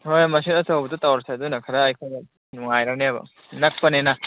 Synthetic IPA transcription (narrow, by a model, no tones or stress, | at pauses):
hojmɐs̬inɐtɐwbɐtɐtawɾɐseɐdunɐkʰɐɾɐːjkʰoj | nuŋajɾɐneɐbɐ̰ | nɐk̚pɐnenɐ